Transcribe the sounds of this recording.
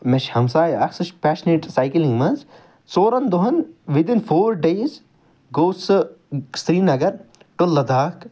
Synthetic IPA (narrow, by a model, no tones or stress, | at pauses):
meʃhɐmsaːjɐksɐʃpæːʃneːʈsaːjkilĩŋɡmɐnz | t͡soːɾɐnd̪oɦɐnʋid̪infʰoːɾɖeːz | ɡoːsɨst̪ɾiːnɐɡɐɾ | ʈunlɐd̪aːk